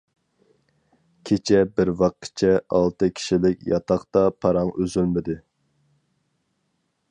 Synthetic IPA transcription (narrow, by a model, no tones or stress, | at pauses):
kʲʰet͡ʃʰɛbɪɾwɑqːt͡ʃʰɛɑlˠt̪ɨkʲʰi̥ʃilɪkʲjɑt̪ʰɑχt̪ɑpʰɑɾɑŋøzylmɪd̪ɪ